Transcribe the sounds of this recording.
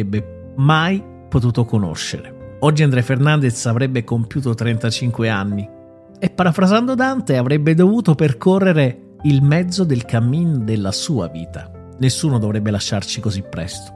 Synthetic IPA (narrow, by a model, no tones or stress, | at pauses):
ebːe | maj | pot̪̬uːt̪okono̰ʃːḛɾeɔd͡ʒːiand̪ɾɛjfernand̪esavɾɛbːekompjuːt̪ot̪ɾɛnt̪at͡ʃiŋkweanːi | epːaɾafɾazand̪od̪ant̪eavɾɛbːed̪ovuːt̪operkorːeɾe | ilmɛd̪zːod̪elkamːind̪elːasuːa̰vḭːt̪a | nesːuːnod̪ovɾɛbːelaʃːart͡ʃikozipːɾɛ̰st̪o̥